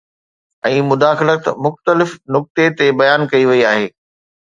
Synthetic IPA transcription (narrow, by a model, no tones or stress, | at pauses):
ɛ̃ːmʊd̪aːxɪlət̪mʊxt̪əlɪfnʊk̚t̪et̪ebɐjaːnkɐiʋɐiaːɦeː